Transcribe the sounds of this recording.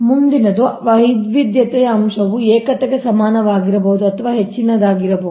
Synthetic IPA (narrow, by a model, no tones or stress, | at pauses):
mund̪inɐd̪uʋɐɦid̪ʋid̪jɐt̪ɛjɐːmʃɐʋuɛːkɐt̪eɡesɐmaːnɐʋaːɡiɾɐboud̪uɐt̪ʰɐʋaːɦet͡ʃːinɐd̪aːɡiɾɐboː